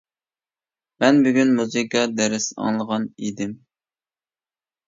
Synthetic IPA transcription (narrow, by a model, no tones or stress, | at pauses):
mɛnbyɡʲynmuzɨkɑd̪ɛɾɪsɑ̰ŋlˠəʁɑnid̪ɪm